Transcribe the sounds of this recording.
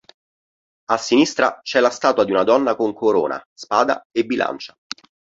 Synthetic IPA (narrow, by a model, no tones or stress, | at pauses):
asːinist̪ɾat͡ʃɛlast̪aːt̪wad̪iunad̪ɔnːakoŋkoɾo̰ːnʔa̰spaːd̪a̰ebːilʔa̰nt͡ʃḁ